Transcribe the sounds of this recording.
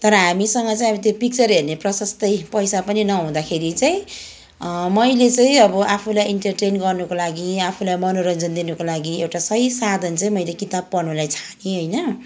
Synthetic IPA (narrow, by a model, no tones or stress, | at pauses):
t̪ʌɾʌɦamisʌŋɡʌt͡saĩʌit̪opik̚t͡sʌrɦerneprʌsʌst̪ʌjpʌjsapʌninʌɦũd̪akʰeɾit͡saĩ | mʌjlet͡saĩʌbʌʔapʰulajiɳʈʌrʈenɡʌrnukolaɡiapʰulajmʌnoɾʌnd͡zʌnd̪inukolaɡiewʈasʌisad̪ʱʌnt͡saĩmʌjlekit̪ab̚pʌrnulajt͡sʰḁniɦojnʌ